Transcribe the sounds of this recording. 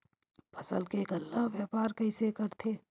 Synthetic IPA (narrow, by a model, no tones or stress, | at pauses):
pʰəsəlkekəlːaɦʋjaːpaːɾkəɪsekəɾt̪ʰeː